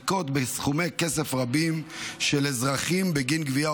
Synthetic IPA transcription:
ko̞t̪besχume̞jkesefʁabimʃelezʁaχimbeɡinɡvia

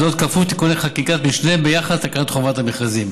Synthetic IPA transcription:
ot̪̚kafut̪i̥kuneχakikat̪miʃneembejaχad̪t̪akanat̪χovat̪ameχazim

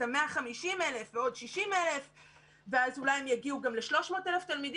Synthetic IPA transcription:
ameaχamiʃimelefveo̞dʃiʃimele̞f | veazulajemjaɡiuɡamle̞ʃlo̞ʃmo̞ːteleft̪almid

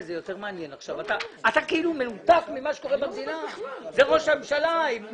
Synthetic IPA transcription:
zejo̞t̪e̞ʁmeanjenaχʃavat̪aːt̪akeilumenut̪akmimaʃe̥ko̞ʁebamd̪inazeʁo̞ʃamemʃalaim

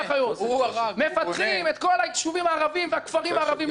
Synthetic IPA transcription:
χajozamefatχimet̪̚kolait̪ʃuvimaːʁavimvakfaʁimaːʁavim

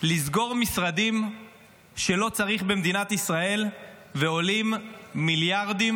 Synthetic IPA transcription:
lizɡo̞ʁmisʁad̪im | ʃe̞lo̞t͡saʁiχbemd̪inat̪isʁae̞l | veo̞limːiljaʁd̪im

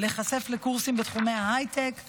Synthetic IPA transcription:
le̞χase̞flekuʁsimbet̪χumejaajt̪ek

